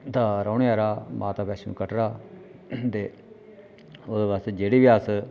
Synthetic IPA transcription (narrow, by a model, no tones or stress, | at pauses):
t̪ãːɾaːʊɽeaːɾaːmʔa̰ːt̪aːpɛːsenṵːkəʈɾaː | t̪eː | od̪eːʋaːst̪eːd͡ʒeːɽiːʋiaːs